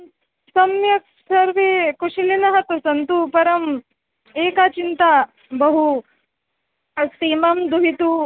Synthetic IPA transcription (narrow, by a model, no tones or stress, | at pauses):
sɐmjɐk | sɐɾʋekuʂilinɐɦɐt̪usɐnt̪upɐɾɐm | eːkat͡ʃint̪a | bɐɦu | ɐst̪iːmɐmd̪uɦit̪u